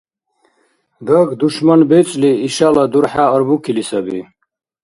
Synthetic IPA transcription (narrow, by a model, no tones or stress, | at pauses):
d̪ɐɡd̪uʃmɐnbet͡sliiɕalad̪uɾħaɐɾbukʰilisɐbḭ